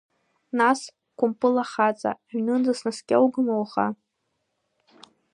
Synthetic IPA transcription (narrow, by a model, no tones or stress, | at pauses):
nas | kʷʰʼʊmpʼɨlaχat͡sʼa̰ʕnɨdɨsnaskʲʼawɡɨmawχa̰